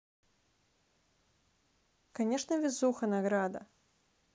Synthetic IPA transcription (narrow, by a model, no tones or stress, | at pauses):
kanʲɛʂnɐvʲizuxɐnaɣɾad̪ɐ̰